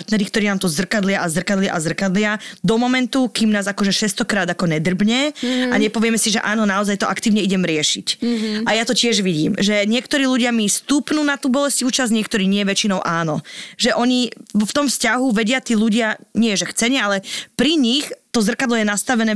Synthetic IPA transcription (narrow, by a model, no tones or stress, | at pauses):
aɾt̪nɛɾikt̪ɔɾiːnaːmt̪ɔzr̩kad̪lɪaʔazr̩kad̪lɪaʔazr̩kad̪lɪad̪ɔmɔmɛnt̪ukiːmnaːzakɔʒɛʃɛst̪ɔkɾaːd̪akɔɲɛd̪r̩bɲɛaɲɛpɔʋɪɛmɛsiʒɛʔaːnɔnaɔzajt̪ɔʔakt̪iːʊɲɛiɟɛmɾɪɛʃicajat̪ɔcɪɛʒʋiɟḭːmʒɛɲɪɛkt̪ɔɾiːluɟɪamist̪upnuːnat̪uːbɔlɛscuːt͡ʃazɲɪɛkt̪ɔɾiːɲɪɛɛʋɛt͡ʃinɔʊʔaːnɔʒɛʔɔɲiɔft̪ɔmfscaɦuʋɛɟɪat̪iːluɟɪaɲɪɛʒɛxt͡sɛɲɛalɛpɾiɲixt̪ɔzr̩kad̪lɔjɛnast̪aʋɛnɛː